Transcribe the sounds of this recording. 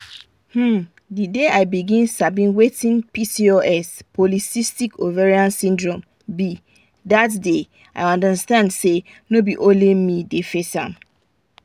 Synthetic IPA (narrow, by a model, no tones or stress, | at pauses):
hm̩ | dideaɪbiɡĩnsabĩnwetĩnpisioʔɛspʰɔlisistikʰovɛɹiãnsĩndɹɔ̃m | bi | datde | a̰ɪɔ̃ndəstãndse | nobiʔõnlemidefesã̰m